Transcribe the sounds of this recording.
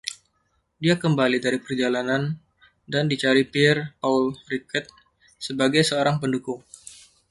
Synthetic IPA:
diakəmbalidaɾipərd͡ʒalanan | dandit͡ʃaɾipɪrpalrikət̪̚ | səbaɡajsəoɾaŋpəndukʊŋ

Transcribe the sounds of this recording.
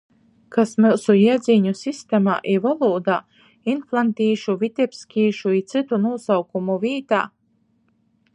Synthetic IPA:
kasmɨlˠsujiɛd̪ziːɲusʲist̪ɛma̰ːʔivalˠuːd̪a̰ː | inflˠant̪ʲiːʃuvʲit̪ʲɛpskʲiːʃuit̪sɨt̪unuɔsawkumuvʲiːt̪a̰ː

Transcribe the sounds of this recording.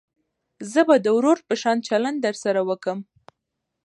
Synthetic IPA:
zəbad̪əwɾoɾpəʃɑnt͡ʃaland̪̚d̪əɾsaɾawəkəm

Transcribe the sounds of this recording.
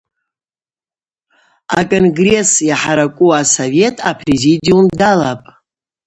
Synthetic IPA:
a̰kʼonɡre̞sjaħaɾakʷʼuasove̞tʼapʰrezidiumdalapʼ

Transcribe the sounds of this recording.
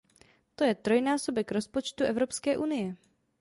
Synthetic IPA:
t̪o̞jɛt̪ɾo̞jnaːso̞bɛkɾo̞spo̞t͡ʃt̪uʔɛvɾo̞pskɛːʔunɪjɛ

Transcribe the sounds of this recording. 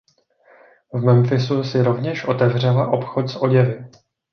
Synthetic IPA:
vmɛmfɪsusɪɾo̞vɲɛʃʔo̞t̪ɛvr̝ɛlaʔo̞pxo̞t̪sʔo̞ɟɛvɪ

